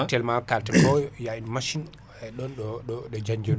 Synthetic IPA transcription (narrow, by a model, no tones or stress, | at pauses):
tɛlmakaltɛnbɔjjainmaʃin | ɛɗɔnɗɔɔɗɔd͡ʒaɲd͡ʒɔ